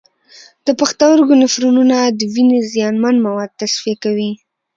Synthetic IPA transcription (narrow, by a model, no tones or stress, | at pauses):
d̪̥əpaxt̪awəɾɡʊnɪfɾununad̪əwinezijɑnmanmawɑd̪̚t̪asfiakawi